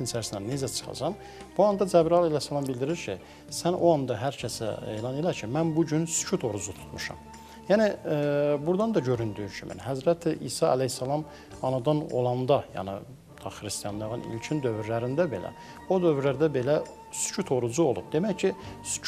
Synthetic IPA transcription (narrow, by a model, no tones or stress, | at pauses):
insʰæɾsinænezæt͡ʃʰɯ̥χɑ̰d͡ʒɑm | b̥uɑnd̪ɑd͡ʒæbɾɑlˠælæjsːælˠɑmbild̪iɾiɾcʰi | sæno̞ɑnd̪ɑɦæɾcʰæsæ̰ḛːlɑnelæɾcʰimænbuɟynsy̥t͡ʃʰut̪ʰo̞ɾud͡ʒut̪ʰu̥t̪ʰmuʃɑ̰m | jæni | buɾd̪ɑnd̪ɑɟø̞ɾynd̪yyʃʰy̰mʔḭnɦæzɾæt̪ʰiʔḭːsɑæ̰læhsːælˠɑm | ɑnɑd̪ɑno̞̰lˠɑnd̪ɑjɑ̰nḭ | t̪ʰɑχɾist̪ijɑnd̪ɑʁɯnḭlt͡ʃʰind̪ø̞vyɾlæɾind̪æbe̞læ̰ | o̞d̪ø̞vyɾlæɾd̪æbe̞læ | sy̥t͡ʃʰut̪ʰo̞ɾud͡ʒuolˠṵb̥̚d̪e̞mæjcʰisy̥